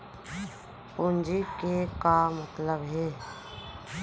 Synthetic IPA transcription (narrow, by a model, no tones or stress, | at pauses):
ʊnd͡ʒikekamət̪ləbɦɛː